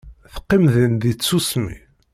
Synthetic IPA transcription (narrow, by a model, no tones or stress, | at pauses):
θə̥qːimðind̪it͡sːusmḭ